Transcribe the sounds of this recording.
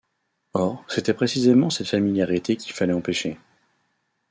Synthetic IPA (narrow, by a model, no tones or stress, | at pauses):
ɔʁset̪ɛpχesizemɑ̃sɛt̪familjaʁit̪ekʲi̥lfalɛɑ̃peʃe